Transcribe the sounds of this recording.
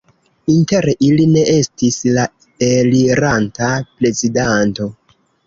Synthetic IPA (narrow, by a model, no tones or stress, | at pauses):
inte̞ɾʔiline̞ʔe̞stisla | eliɾantapɾe̞zidanto̞